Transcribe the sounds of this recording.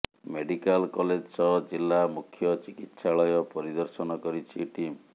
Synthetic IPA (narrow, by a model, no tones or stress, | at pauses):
meɖikalkɔled͡ʒsɔd͡ʒilːamukʰjɔt͡ʃikit̪ːsaɭɔjɔpɔɾid̪ɔɾsɔnɔkɔɾit͡ʃʰiʈim